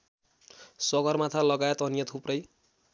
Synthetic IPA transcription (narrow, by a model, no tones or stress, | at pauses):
sʌɡʌrmat̪ʰalʌɡajet̪ʌnijʌt̪ʰuprʌj